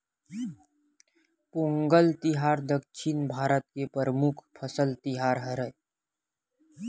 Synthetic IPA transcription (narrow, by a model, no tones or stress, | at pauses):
põːŋɡəlt̪ɪɦaːɾd̪əkʃʰɪnbʱaːɾət̪̚kepəɾəmukʰpʰəsəlt̪ɪɦaːɾɦəɾə